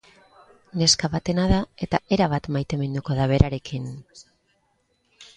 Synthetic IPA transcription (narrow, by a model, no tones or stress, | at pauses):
ne̞skaβat̪e̞naðae̞t̪ae̞ɾaβat̪majt̪e̞me̞nd̪uko̞ðaβ̞e̞ɾaɾe̞kin